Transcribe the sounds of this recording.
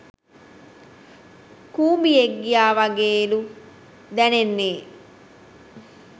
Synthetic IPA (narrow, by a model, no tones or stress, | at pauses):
kuːmbieɡːijaːʋaɡeːlu | d̪ɛnenːeː